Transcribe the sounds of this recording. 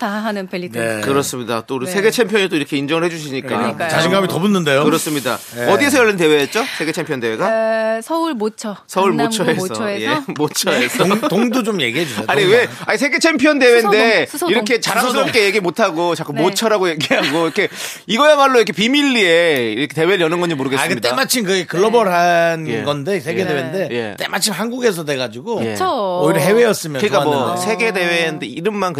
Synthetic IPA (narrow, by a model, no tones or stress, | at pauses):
taɦanɯnpːkɯɾʌs͈ɯmɲida̰t͈oɾsʰe̞ɡe̞t͡ɕʰe̞mpʰjʌɲit͈oiɾʌkʰe̞ind͡ʑʌŋɯɭɦe̞d͡ʑuɕ̬ʰiɲik͈aa̰aɕʰiŋɡamitʌbunːɯndejokɯɾʌs͈ɯmɲida̰ʌdie̞s̬ʰʌjʌɭːinte̞we̞ɦet̚t͡ɕ͈osʰe̞ɡe̞t͡ɕʰe̞mpʰjʌndewe̞ɡasʰʌuɭmot͡ɕʰʌsʰʌuɭmot͡ɕʰʌɦesʰʌjemot͡ɕʰʌesʰʌoŋdot͡ɕomjḛɡiɦeusaɲiwe̞aɲis̬ʰe̞ɡe̞t͡ɕʰe̞mpʰjʌnde̞we̞nde̞iɾʌkʰe̞t͡ɕaɾams̬͈ʰɯɾʌp̚k͈e̞je̞ɡiemotʰaɡot͡ɕak͈ummːot͡ɕʰʌɾaɡoje̞ɡiɦaɡoɾʌkʰe̞ | iɡʌjamaɭːoiʌkʰepimiʎːie̞iɾkʰete̞weɾɯɭjʌnɯnɡʌɲimoɾɯɡeskɯit͈emat͡ɕʰimkɯɡekɯɭːʌbʌɾɦanɡʌnde̞sʰeɡedewende̞je̞̰t̪͈emat͡ɕʰimɦanɡuɡe̞s̬ʰʌde̞ɡad͡ʑiɡoeoiɾʌɦe̞we̞jʌs͈ɯmjʌnkɯɲik͈amwʌsʰe̞ɡe̞de̞wenndeiɾɯmmankɯ